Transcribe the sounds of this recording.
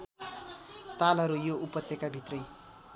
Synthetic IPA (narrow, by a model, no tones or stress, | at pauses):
t̪alɦʌɾujoupʌt̪jʌkabʱit̪rʌj